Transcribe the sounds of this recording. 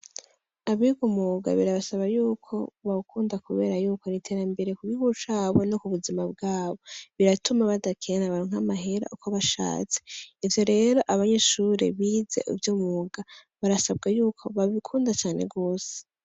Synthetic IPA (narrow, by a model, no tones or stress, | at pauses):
aβiɡomuɡa̰βiɾaβasaβajuːkʰo̞βaβukʰuːndakuβe̞ːɾajuːko̞ɾitʰe̞ːɾambe̞ɾekuɡihuʃaβo̞nokuβuzimab̚ɡaːβo̞βiɾatumaβadakʰenaβaɾoŋ̥hamaɦe̞ɾa̰ʔukʰo̞βaʃa̰ːt͡se̥ivjo̞ɾe̞ːɾo̞ʔaβaɲe̞ʃuɾe̞̰βiːze̞̰ʔṵvjomuːɡaβaɾasab̚ɡajuːkʰo̞βaβikʰuːndat͡ʃaːne̞̰bɡo̞ːse̥